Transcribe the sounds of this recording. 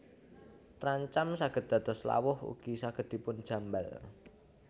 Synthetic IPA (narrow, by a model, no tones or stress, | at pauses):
t̪ɾaɲt͡ʃamsaɡ̥ə̤t̪̚d̪̥a̤d̪̥ɔ̤sla̰wʊhṵɡ̥isaɡ̥ə̤̥i̤pʊnd̥ʒ̥ä̤mbal